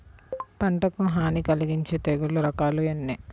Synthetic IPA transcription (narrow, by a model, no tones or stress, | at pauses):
pɐɳʈɐkumɦaːnikɐliɡiɲt͡ʃeːt̪eɡuluɾɐkaːluenːi